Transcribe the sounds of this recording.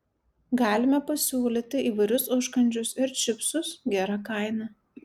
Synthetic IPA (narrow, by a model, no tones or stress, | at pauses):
ɡɑːlʲɪmʲɛpɐsʲuːlʲiːt̪ʲɪʔiːʋɐɪɾʲʊsʊʃkɐnʲd͡ʒʲʊsɪɾt͡ʃʲɪpsʊsɡʲæːɾɑkɐˑɪnɑ